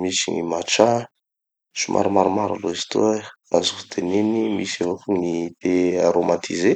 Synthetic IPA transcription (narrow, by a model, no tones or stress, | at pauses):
misiŋḭmat͡ʃa | sumʔa̰ɾumaɾumaɾa̰loizi̥t̪ṵ | azufu̥t̪ʰenenimisevofuŋit̪eaɾomat̪ʰḭze